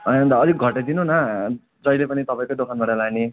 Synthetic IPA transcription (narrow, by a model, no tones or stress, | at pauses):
ʌjnʌnd̪aʌd͡ziɡʱʌʈed̪inunʌ | d͡zʌjlepʌnit̪ʌpaĩkod̪okʰanbaʈalane